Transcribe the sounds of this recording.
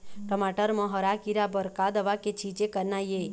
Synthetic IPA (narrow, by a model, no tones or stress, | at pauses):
ʈəmaʈəɾmə̃ɦəɾakiɾabəɾkad̪əʋaket͡ʃʰid͡ʒekəɾnaje